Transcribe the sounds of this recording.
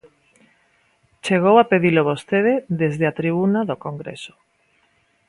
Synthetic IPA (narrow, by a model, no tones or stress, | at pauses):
t͡ʃeɣ̞owapeðiloβost̪eðeðezðeat̪ɾiβunaðokoŋɡɾḛso̥